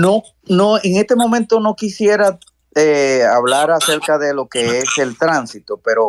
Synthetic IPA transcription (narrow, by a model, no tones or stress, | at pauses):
no | noeŋe̞st̪e̞mõ̞mẽ̞nt̪o̞no̞kisje̞ɾa | eaβlaɾase̞ɾkaðe̞lo̞ke̞ese̞lt̪ɾansit̪o̞pe̞ɾo̞